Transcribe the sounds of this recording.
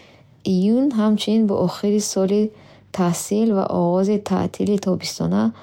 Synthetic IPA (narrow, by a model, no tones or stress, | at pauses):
ijunɦamt͡ʃʰuninbɔ̰ʔɔχiɾisɔli | t̪ʰahsilva̰ʔɔ̰ɣɔzit̪ʰa̰ʔt̪ʰilit̪ʰɔbist̪ʰɔ̰na